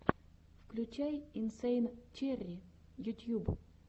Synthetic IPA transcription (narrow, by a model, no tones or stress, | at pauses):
fklʲʉt͡ɕajɪnsejnt͡ɕerʲɪ | jʊtʲjub